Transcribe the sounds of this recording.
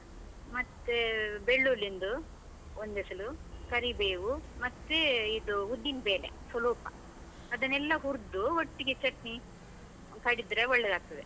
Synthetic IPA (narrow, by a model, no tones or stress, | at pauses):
mɐt̪ːebeɭːulind̪u | ond̪ɛsɐlukɐɾibeːʋumɐt̪ːeid̪uɦud̪ːinbeːlḛsɐluːpɐ̰ | ɐd̪ɐnːɛlːɐɦuɾd̪uɦoʈːiɡet͡ʃɐʈni | kɐɽid̪ɾeɔɭːɛd̪aːɡ̚t̪ɐd̪e